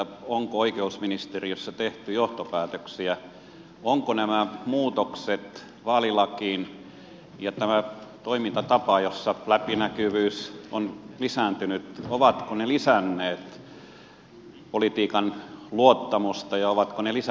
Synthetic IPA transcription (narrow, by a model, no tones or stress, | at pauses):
oŋkooikeusminist̪eriøsːɑt̪eht̪yjoht̪opæːt̪øksiæ | oŋkonæmæmuːt̪okset̪ | ʋɑːlilɑkiːn | jɑt̪æmæt̪oimint̪ɑt̪ɑpɑjosːɑlæpinækyʋyːsonlisæːnt̪ynyt̪oʋɑt̪konelisænːeːt̪ | polit̪iːkɑnluot̪ːɑmust̪ɑjɑoʋɑt̪konelis